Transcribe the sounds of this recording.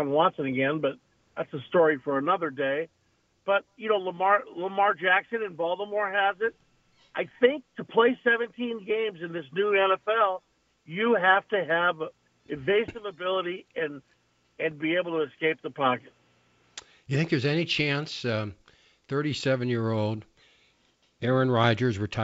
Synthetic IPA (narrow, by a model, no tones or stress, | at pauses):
mwɑ̃nsɨ̃ŋɨɡɛ̃nbʌt̪̚ | ðætsəstɔɹifə˞ɨnʌðə˞deɪ | b̥ʌt̚jɨnoʊləmɑɹləmɑɹd͡ʒæksɨ̃nɨ̃nbɑlˠdəmɔɹəzɪt̚ | ʔaɪθɪ̃ŋk̚tʰəpʰl̥eɪsɛvɨ̃ntʰĩnɡẽɪ̃mzɨ̃nðɪsnʉɛ̃nɛfɛlˠ | jɨɦæftɨɨv | ɨveɪsʌvɨbɪlˠəɾiɨ̃n | ɨ̃nbieɪbl̩ˠtəɨɨskeɪp̚ðəpʰɑkɨt̚ | jɨθɪ̃ŋk̚ðə˞zɛnit͡ʃʰæ̃ns | θɜ˞ɾisɛvɨ̃njɪɹoʊlˠd | ɛɹɨ̃nɹaɪd͡ʒə˞zɹɨtʰa